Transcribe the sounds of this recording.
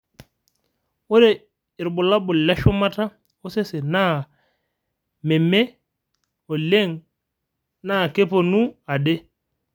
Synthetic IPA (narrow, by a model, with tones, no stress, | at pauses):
o˦ɾe˨ | ɪ˨ɾbu˨la˦bʊ˨llɛ˦ʃo˦ma˦ta˦ | o˦se˦se˨na˦ | mɛ˨me˦ | o˨le˦ŋ | na˦˨ke˦po˨nu˦a˨de˦